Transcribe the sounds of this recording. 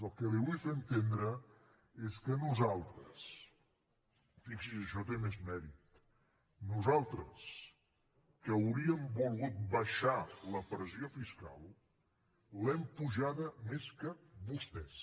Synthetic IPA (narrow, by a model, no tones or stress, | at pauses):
əlˠkəliβujfeənt̪end̪ɾə | eskənuzalˠt̪ɾəs | fiksiəʃɔt̪emezmɛɾit̪ | nuzalˠt̪ɾəs | kəːwɾiəmbulˠɣut̪̚bəʃaləpɾəziofiska̰lˠ | lɛmpuʒaðəmeskəbust̪ɛs